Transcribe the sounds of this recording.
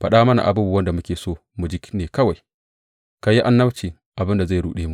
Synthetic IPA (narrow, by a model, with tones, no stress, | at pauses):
ɸɐ˨ɗaː˦mɐ˦na̰˨ʔa̰˨buː˦bu˨wɐ˦nda˨mʊ˦kʲeː˨soː˦˨ | mu˨d͡ʒi˦kʲneː˨kɐ˦wa˨j | ka˨ji˦ʔa˦nːɐ˦wt͡ʃiː˨ | ʔa˨bɪ˦nda˨za˦˨jɽuː˨ɗeː˦mu˨